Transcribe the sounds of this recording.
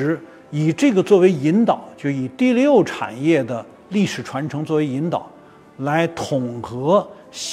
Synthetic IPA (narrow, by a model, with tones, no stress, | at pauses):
i˨˩ʈ͡ʂɤ˥˩ɡə˩t͡swɔ˥˩we˧˥ɪi˧˥nt̪ɑ˨˩˦ʊt͡ɕjo˥˩ʊi˨˩t̪i˥˧ljjo˥˩ʊʈ͡ʂʰa̰˨˩njɛ˥˩d̪ə˩ | li˥˩ʂɻ̩˨˩ʈ͡ʂʰwa˧˥nʈ͡ʂʰɤ˧˥ŋt͡swɔ˥˩we˧˥ɪi˧˥nt̪ɑ˨˩˦ʊ | la˧˥ɪt̪ʰʊ˨˩ŋxɤ˧˥ | ɕ